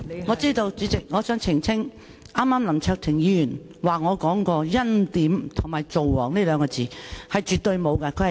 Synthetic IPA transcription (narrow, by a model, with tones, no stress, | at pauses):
ŋɔː˨˧˥t͡siː˥t̪o˧wt͡ʃyː˨˥t͡sɪ˨k̚ŋɔː˨˧t͡ʃœː˥ŋt͡sʰɪ˨˩ŋt͡sʰɪ˥ŋ | ʔaː˥maː˥mlɐ˨˩mt͡ʃʰœː˧k̚t̪ʰɪ˨˩ŋjiː˨˧˥jyː˨˩n | waː˨˩ŋɔː˨˧kɔː˨˥ŋkɔː˧jɐ˥nt̪iː˨˥mt̪ʰʊ˨˩ŋmaː˨˩jt͡so˨wwɔː˨˩ŋne˥lœː˨˧ŋkɔː˧t͡siː˨hɐ˨jt͡ʃyː˨t̚t̪ɵ˧ɥmo˨˧wkɐ˧kʰɵ˧˥˨